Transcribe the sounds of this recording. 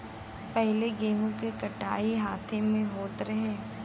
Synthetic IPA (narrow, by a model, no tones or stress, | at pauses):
pɛɦleɡeːmõkekɐʈa̰ːiɦaːt̪ʰẽmẽɦoːt̪ɾɐɦeː